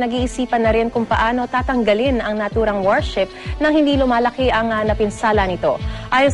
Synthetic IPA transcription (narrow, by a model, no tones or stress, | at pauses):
nɐɡiːʔɪsiːpɐnːɐɾɪnkʊŋpɐʔaːno̞t̪aːt̪ɐŋɡɐlɪnɐŋnɐt̪uːɾɐŋwɛɹʃɪp̚nɐŋhɪnd̪iːlʊmaːlɐkɛʔɐŋɐnɐpɪnsaːlɐnɪt̪o̞̰ʔaːjon